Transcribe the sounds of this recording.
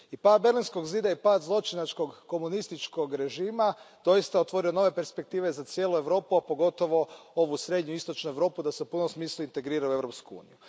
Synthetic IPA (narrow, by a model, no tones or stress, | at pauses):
ipad̪̚be̞ɾlinsko̞ɡziːd̪aipaːd̪zlˠo̞t͡ʃinat͡ʃko̞ɡko̞munist̪it͡ʃko̞ɡɾe̞ʒiːmad̪̥o̞jist̪ao̞t̪ʋo̞ɾio̞no̞ʋe̞pe̞ɾspe̞k̚t̪iːʋe̞zat̪sjeːlˠue̞ʋɾo̞ːpuapo̞ɡo̞t̪o̞ʋo̞o̞ʋusɾe̞d̪ɲuist̪o̞t͡ʃnue̞ʋɾo̞ːpud̪ase̞upunomsmiːslˠuint̪e̞ɡɾiːɾaue̞ʋɾopskuṵːnḭju